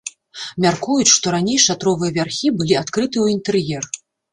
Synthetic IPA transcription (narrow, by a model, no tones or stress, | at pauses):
mʲarkujut͡sʲʂt̪ɔɾanʲejʂat̪ɾɔvɨjɐvʲarxʲibɨlʲiat̪kɾɨt̪ɨuwint̪ɨrjɛr